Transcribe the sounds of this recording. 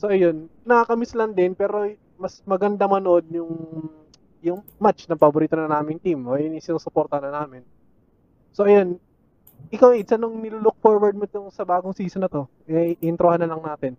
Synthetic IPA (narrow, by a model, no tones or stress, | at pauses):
so̞ʔɐjo̞nːɐkakɐmɪslɐnd̪ɪnpɛːɾo̞ | mɐsmɐɡɐnd̪ɐmɐnoʔod̪̚jʊŋ | jʊŋmat͡ʃnɐpɐboɾiːt̪onɐŋʔaːmɪŋt̪imʔoːʔɪnisɪnoːsʊpoɾt̪ɐnɐnaːmɪn | so̞ʔɐjo̞n | ʔɪkawɪd̪sanʊŋnɪluːlʊk̚fo̞ɾwɐɹd̪̚mot̪oŋsɐbaːɡoŋsiːsonɐt̪o̞ | ʔɪnt̪ɾohanːɐlɐŋnaːt̪ɪn